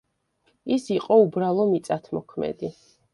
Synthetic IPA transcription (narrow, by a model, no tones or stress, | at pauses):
isiqʼɔubɾalˠɔmit̪sʼat̪ʰmɔkʰmɛ̰d̪i